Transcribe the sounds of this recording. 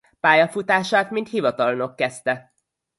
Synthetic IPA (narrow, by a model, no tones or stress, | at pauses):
paːjɒfut̪aːʃaːt̪mint̪hivɒt̪ɒlno̞kːɛst̪ɛ